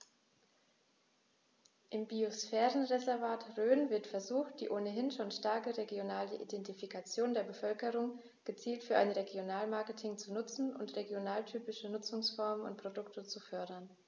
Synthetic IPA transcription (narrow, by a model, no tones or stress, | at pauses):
ʔɪmbiosfɛːʁənʁezɛɐvaːtʁøːnvɪɐtfɛɐzuːxt̚d̥ḭːʔoːnəɦɪnʃoːnʃtaɐkəʁeɡjonaːləʔḭdɛntifikʰat͡sjoːndeːɐbəfœlkəʁ̞ʊŋ | ɡ̥ət͡siːltfyːɐʔa̰ɪnʁeɡjonaːlmaɐkətʰɪŋt͡sunʊt͡sn̩ʊ̰ntʁeɡjonaːltʰyːpɪʃənʊt͡sʊŋsfɔɐmənʊ̰nt̚pʁ̥odʊktʰət͡sufœɐdɐn